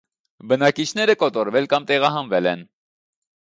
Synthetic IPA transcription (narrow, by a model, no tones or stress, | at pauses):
bənɑkit͡ʃʰnɛɾəkɔt̪ɔɾvɛlkɑmt̪ɛʁɑɦɑnvɛlɛn